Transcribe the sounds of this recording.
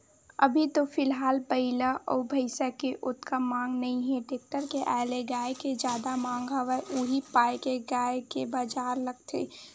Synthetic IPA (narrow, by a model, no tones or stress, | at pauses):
ə̰bʱit̪ofʰɪlɦaːlpəɪlaʔɔ̰ːbʱəɪsakeʔʊt̪kamãːŋɡnɐĩɦɛ̃ʈeːk̚ʈəɾkeʔa̰ːleɡaːeked͡ʒjaːd̪amãːŋɡʱəʋəʔuɦipaːekeɡaːekebaːd͡ʒaːɾləɡt̪ʰḛː